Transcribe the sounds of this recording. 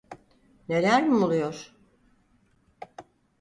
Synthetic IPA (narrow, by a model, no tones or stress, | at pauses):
ne̞lʲæɾmiulˠujoɾ̥